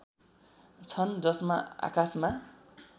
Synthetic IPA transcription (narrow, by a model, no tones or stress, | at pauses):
t͡sʰʌnd͡zʌsmaa̰kasma